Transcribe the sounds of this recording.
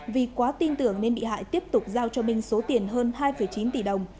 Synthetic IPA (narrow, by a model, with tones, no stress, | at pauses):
vi˨˩kwaː˨˦t̪i˧nt̪ɨ˧˩əŋne˧nɓḭ˧˨ɦa̰ː˧˨jt̪i˦˥əp̚t̪ʊ˨˩k͡p̚zaː˧wt͡ɕɔ˧mï˨˩ŋ̟so˨˦t̪i˨˩ənɦəː˧nhaː˧jfə˧˩jt͡ɕi˨˦nt̪i˧˩ɗə˨˩wŋ͡m